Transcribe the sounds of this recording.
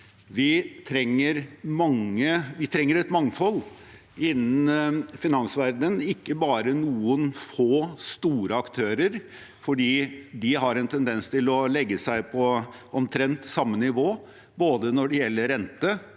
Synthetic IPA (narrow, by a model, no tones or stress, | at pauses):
ʋɪt̪ʰɾɛŋːəɾmɑŋːəʋɪt̪ʰɾɛŋːəɾɛt̪mɑŋfɔlː | ɪnːn̩fɪnɑnsʋæɾd̪ənɪkːəbɑːɾənuːənfoːst̪uːɾəɑkt̪ʰøːɾəɾ | fɔɖiːd̪ɪɦɑɾɛnt̪ʰɛnd̪ɛnst̪ɪlɔlɛɡːəsæɪpʰɔɔmt̪ʰɾɛnt̪sɑmːənɪʋoː | boːd̪ənɔɖɛjɛlːəɾɛnt̪ə